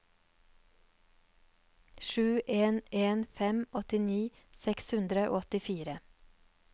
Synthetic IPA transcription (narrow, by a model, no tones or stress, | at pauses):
ʃʉːʔeːnʔeːnfɛmʔɔt̪ɪniː | sɛkshʉnd̪ɾəʔo̰ːɔt̪ɪfiːɾə